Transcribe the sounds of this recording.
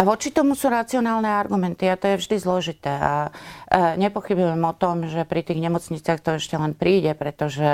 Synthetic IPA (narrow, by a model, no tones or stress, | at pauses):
aʋɔt͡ʃit̪ɔmusuːɾat͡siɔnaːlnɛaɾɡumɛnt̪iat̪ɔjɛvʒd̪izlɔʒit̪ɛːa | ɲɛpɔxibujɛmɔt̪ɔmʒɛpɾit̪iːɣɲɛmɔt͡sɲit͡sɪaxt̪ɔɛʃcɛlɛnpɾiːɟɛpɾɛt̪ɔʒɛ